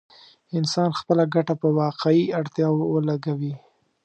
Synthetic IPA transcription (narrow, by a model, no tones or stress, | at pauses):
ɪnsɑnxpəlaɡaʈapəwɑqeiaɽt̪jɑwwəlaɡawi